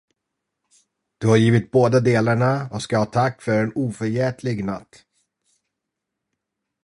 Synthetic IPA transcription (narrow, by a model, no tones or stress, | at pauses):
d̪̥ɵhaɾjiːvɪt̪̚boːd̪ad̪eːlaɳaɔskahɑːt̪ʰakːfœɾɛnuːfœɾjɛːt̪ʰlɪɡnat̪ː